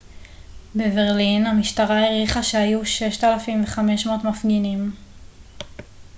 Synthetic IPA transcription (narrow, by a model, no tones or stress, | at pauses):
beveʁlinamiʃtaʁaeʁiχaʃehajuʃe̞ʃt̪alafimveχame̞ʃmo̞tmafɡinim